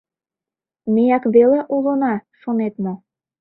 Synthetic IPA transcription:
mejɑkβeleʔulonɑʃonet̪mo

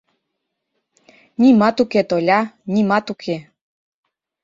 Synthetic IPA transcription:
nʲimɑt̪uket̪olʲɑnʲimɑt̪ukʰe

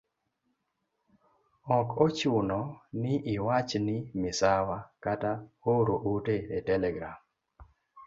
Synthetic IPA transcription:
ɔkɔt͡ʃʊnɔnɪʔɪwat͡ʃnɪmɪsawakataoɾoʔuteetɛlɛɡɾam

